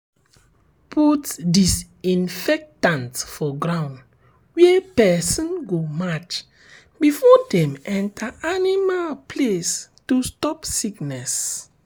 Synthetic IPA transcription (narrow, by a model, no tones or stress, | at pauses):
pʰutdis | ĩnfɛk̚tãntfɔɡɹãw̃nd | wɛpɛsɔ̃nɡomat͡ʃ | bifɔdɛ̃mɛ̃ntʰaʔanimalpʰlestustɔpsiknɛs